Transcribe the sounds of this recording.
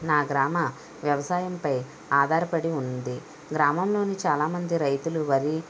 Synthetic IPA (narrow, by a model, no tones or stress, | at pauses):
naːɡɾaːmɐ | ʋjɐʋɐsaːjɐmpɐj | aːd̪ʱaːɾɐpɐɽiund̪i | ɡɾaːmɐmlo̞ːnit͡ʃaːlaːmɐnd̪iɾɐjt̪uluʋɐɾi